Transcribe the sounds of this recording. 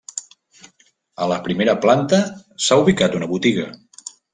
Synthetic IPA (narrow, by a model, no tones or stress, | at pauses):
ələpɾimeɾəplant̪əsauβ̞ikat̪unəβut̪iɣə